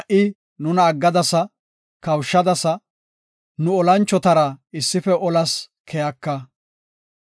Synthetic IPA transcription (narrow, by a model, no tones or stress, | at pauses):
ɐʔɪ | nʊnɐːɡːɐd̪ɐsɐ | kɐwʃːɐd̪ɐsɐ | nʊɔlɐnt͡ʃːɔt̪ɐɾɐɪsːɪfɛʔɔlɐs | kʰɛjɐkːɐ